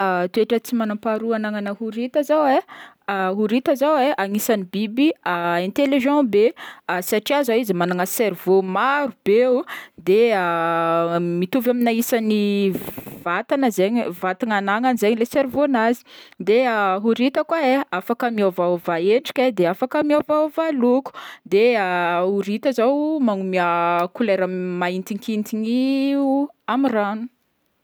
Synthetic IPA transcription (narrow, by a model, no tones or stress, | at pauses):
at̪ueʈ͡ʂət͡simanãmpaɾuanaŋanəhuɾit̪azawe | ɦuɾit̪əzaweʔaŋisanibibiaɛ̃nt̪eliʒɑ̃beasaʈ͡ʂiazaizimanaŋasɛɾvomaɾub̥eud̪eə | mit̪uvaminaisani | vat̪anəzeɲvat̪iŋanaŋanizeɲileseɾivonazi̥d̪eəɦuɾit̪əkwaeafakəmiavaovaeɳɖ͡ʐi̥kʲad̪eafakəmiovaovaluku̥d̪eəuɾit̪əzowmaŋumiakuleɾəmaint̪iŋkint̪iɲiuamiranu̥